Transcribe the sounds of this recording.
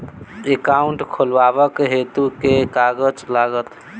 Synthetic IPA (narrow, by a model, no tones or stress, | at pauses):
ekaʊɳʈkʰolʋabəkɦet̪ukekaɡəd͡ʒlaɡət̪